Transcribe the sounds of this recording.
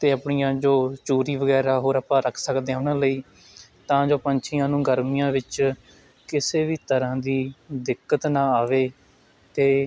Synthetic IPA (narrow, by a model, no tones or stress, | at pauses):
t̪eːəpɳijãːd͡ʒoːt͡ʃuːɾiːʋəɡɛːɾaːɦoːɾəpãːɾəkʰsəkd̪ẽːʊnãːləiː | t̪ãːd͡ʒoːpəɲt͡ʃʰɪjãːnũːɡəɾmɪjãːʋɪt͡ʃ | kɪseːʋiːt̪əɾãːd̪iːd̪ɪkːət̪nãːaːʋeː | t̪eː